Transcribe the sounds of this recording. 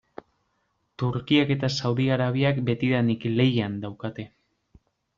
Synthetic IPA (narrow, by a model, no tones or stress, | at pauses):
t̪uɾkiake̞t̪asawðiaɾaβ̞iakbe̞t̪iðanikle̞jand̪awkat̪e̞